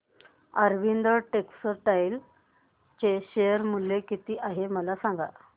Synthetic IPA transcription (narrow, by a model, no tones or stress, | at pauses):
əɾʋind̪əʈeksəʈajl | t͡ɕeɕejəɾmulekit̪iːʔaɦeməlasãŋɡa̰